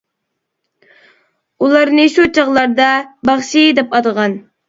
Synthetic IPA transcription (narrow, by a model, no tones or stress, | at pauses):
ulˠɑɾnɨʃut͡ʃʰəʁlˠɑɾd̪ɑbɑχʃid̪ɛpɑd̪əʁɑn